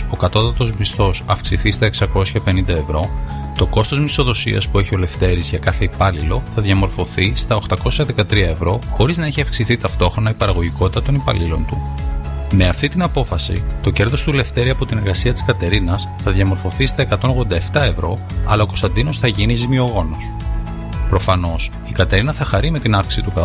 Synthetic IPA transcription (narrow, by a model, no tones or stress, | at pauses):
o̞kɐt̪o̞t̪ɐt̪o̞zmist̪o̞sɐfksiθist̪ɐe̞ksɐko̞sçɐpe̞nind̪ɐevɾo̞ | t̪o̞ko̞st̪o̞zmiso̞ðo̞siɐ̰spue̞çio̞le̞ft̪e̞ɾizʝɐkɐθe̞ipɐlilo̞θɐðʝɐmo̞ɾfo̞θist̪ɐoxt̪ɐko̞sçɐðe̞kɐt̪ɾiɐe̞vɾo̞xo̞ɾiznɐeçiɐfksiθit̪ɐft̪o̞xɾo̞nɐipɐɾɐɣo̞ʝiko̞t̪i̥t̪ɐt̪o̞nipɐ̰lilo̞̰nt̪u | me̞ɐft̪it̪inɐpo̞fɐsḭt̪o̞ce̞ɾðo̞st̪ule̞ft̪e̞ɾiɐpo̞t̪ine̞ɾɣɐsiɐt̪i̥skɐt̪e̞ɾinɐsθɐðjɐmo̞ɾfo̞θist̪ɐe̞kɐt̪o̞nɣðond̪ɐe̞ft̪ɐe̞vɾo̞ | ɐ̰lɐoko̞st̪ɐnd̪ino̞sθɐʝinizimio̞ɣo̞no̞s | pɾo̞fɐno̞s | ikɐt̪e̞ɾinɐθɐxɐɾime̞t̪inɐfki̥sit̪ukɐ